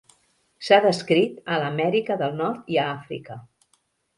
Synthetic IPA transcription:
saðəskɾit̪ələmɛɾikəðəlˠnɔɾt̪iəafɾḭkə

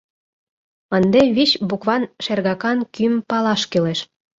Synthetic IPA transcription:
ənd̪eβiɕbukβɑnʃerɣɑkɑnkympɑlɑʃkøleʃ

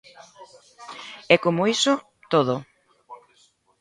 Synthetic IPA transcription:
ɛkomʊisʊ | t̪oð̞ʊ

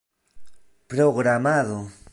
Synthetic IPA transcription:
pɾoɣɾamaðo

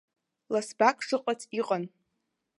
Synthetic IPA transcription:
lasbakʰʼʂɨqʼat͡sʰʼiqʼan

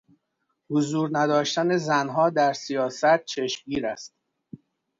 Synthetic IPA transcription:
hozuːɾnæd̪ɒːʃt̪ænezænɦɒːd̪æɾsijɒːsæt̪̚t͡ʃʰe̞ʃmɡiːɾæst̪

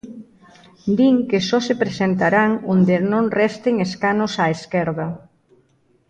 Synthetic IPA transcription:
d̪iŋkesɔsepɾesent̪aɾaŋond̪enõnrɛst̪ɪŋeskanosaeskɛɾðɐ

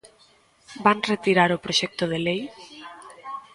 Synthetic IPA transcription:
baŋret̪iɾaɾʊpɾoʃɛk̚t̪ʊð̞elej

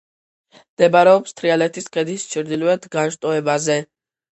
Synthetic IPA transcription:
md̪̥ɛbaɾɛɔpst̪ʰɾialɛt̪ʰiskʰʼɛd̪ist͡ʃʰɾd̪iluɛt̪ʰɡaʃt̪ʼɔɛbazɛ

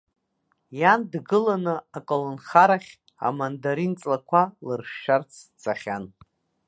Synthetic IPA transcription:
jandɡɨlanɨakʼolonχaɾaχʲ | a̰mandaɾint͡sʼlakʷʰalɨrʃʃart͡sʰt͡sʰaχʲan

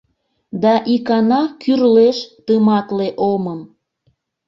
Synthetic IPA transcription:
d̪ɑʔikɑnɑkyrleʃt̪əmɑt̪leʔoməm

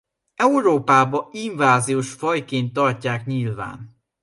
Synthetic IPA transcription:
ɛuɾoːpaːbɒiɱvaːzijoːʃfɒjkeːnt̪ːɒrcaːkɲilva̰ːn

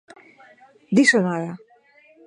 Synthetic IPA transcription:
d̪isonaɾa

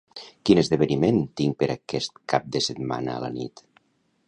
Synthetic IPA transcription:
kinəzðəβəniment̪iŋpəɾakɛst̪kap̚d̪əsət̪ma̰nə̰ːlə̰nḭt̪

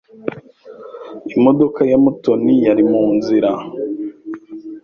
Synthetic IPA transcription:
imo̞do̞kajamuto̞nijaɾimuːnziɾa

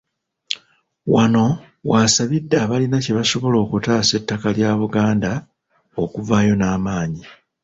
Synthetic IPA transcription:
wano̞ | wasaβidːaːβalinaceβaso̞βo̞lo̞ːkutaːse̞tːakaljaːβuɡaːnda | o̞kuvaːjo̞naːmaːɲi

